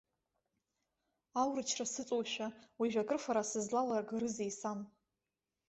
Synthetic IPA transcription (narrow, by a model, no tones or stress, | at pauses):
awrɨt͡ʃʰrasɨt͡sʼowʃʷᶣawiʒᶣʷakʼɨrfaɾasɨzlalarɡɾɨzejsam